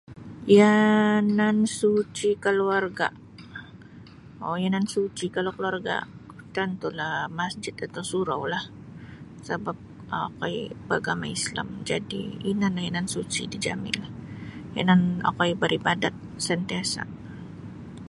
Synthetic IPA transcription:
janansut͡ʃikəluarɡa̰ʔ | ojanansut͡ʃikalawkəluarɡa̰ut̪ant̪ulahmasd͡ʒɪt̪at̪awsuɾa̰wlah | səbap̚ | kaibaɡama̰isla̰md͡ʒadḭinanahjanansut͡ʃḭdid͡ʒa̰mɪ̰lahja̰nana̰kaibaɾʔibadat̪̚sənt̪iasa̰ʔ

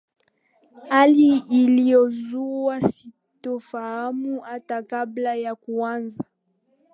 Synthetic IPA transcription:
haliːlijɔzuasi | tɔfahamuhatakablajakuanza

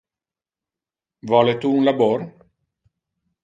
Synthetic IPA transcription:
vɔːlet̪uːnlaboːr

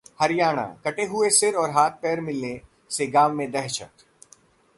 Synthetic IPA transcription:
hɐɾɪjaːɽ̃ã̰kɐʈeɦʊesɪɾɔːɾɦaːt̪̚ʰpɛːɾmɪlne | seɡaːmːẽd̪ɛɦt͡ʃʰə̰t̪

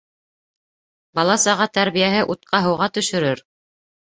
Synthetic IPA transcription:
bɑlˠɑsɑʁɑt̪æɾβijæɦɘʔut̪̚qɑɦɤ̆wʁɑt̪ɵ̆ʃɵ̆ɾɘɾ

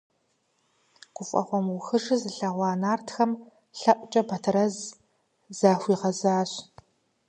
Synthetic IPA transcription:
qʷʊfʼɐ̰χʷɔmʊxɨʐɨzɨɬɐʁʷɑːnaːrtʰxɐm | ɬɐʔʷʼt͡ʃʼɐbɐtʰɨɾɐz | zaːxʷiːʁɐzaːɕ

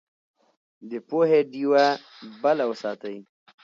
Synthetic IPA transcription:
d̪əpoɦeɖiwa | balawəsɑːt̪əj

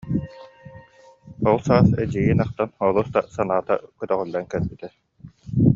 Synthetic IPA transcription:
ɔlˠsaːsɛd͡ʑiɡiːnaχt̪anɔlˠust̪asanaːt̪a̰kɯt̪œʁɯlːankɛɾbit̪ɛ

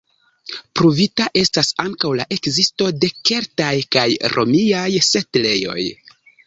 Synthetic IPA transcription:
pɾuvitaʔe̞stasaŋkawla̰ʔe̞kzisto̞de̞ke̞ɾtajkajɾʔo̞̰miajsetle̞jo̞̰j

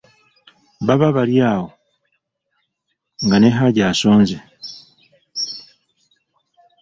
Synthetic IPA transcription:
βaβaβaɾjaːho | ŋɡane̞ɦaɟasoːnze

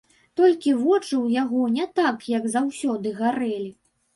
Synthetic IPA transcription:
t̪ɔlʲkʲivɔt͡ʂɨwjaɣɔnʲɛt̪akjɐɡzawsʲɔd̪ɨɣaɾɛlʲi

